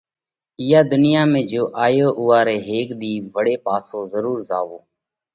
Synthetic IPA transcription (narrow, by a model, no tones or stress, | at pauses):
ɪjaːd̪ʊnɪjaːmẽːd͡ʒoːʔaːjoːʔʊːaːɾeːɦeːkd̪iːbəɽeːpaːsõːzəɾuːɾzaːʋoː